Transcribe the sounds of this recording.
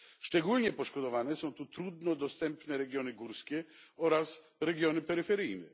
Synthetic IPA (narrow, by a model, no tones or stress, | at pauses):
ʂt͡ʂɛɡulɲɛpɔʂkɔd̪ɔvanɛsɔ̃w̃t̪ut̪ɾud̪nɔd̪ɔst̪ɛmpnɛɾɛɡʲjɔnɘɡuɾskʲɛɔɾas | ɾɛɡʲjɔnɘpɛɾɘfɛɾɘjnɛ